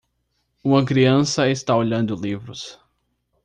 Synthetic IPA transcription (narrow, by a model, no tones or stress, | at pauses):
ũmɐkɾiɐ̃sɐest̪aoʎɐ̃nd̪ʊlivɾʊs